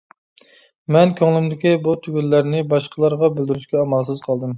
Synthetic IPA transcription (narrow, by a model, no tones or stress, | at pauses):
mɛnkʲʰøŋlˠɪmd̪ɪkʲibut̪ʰyɡʲylːæɾnɪbɑʃqʰəlˠɑɾʁɑbɪld̪yɾyʃkʲɛɑmɑlˠsɨzqʰɑlˠd̪ɨm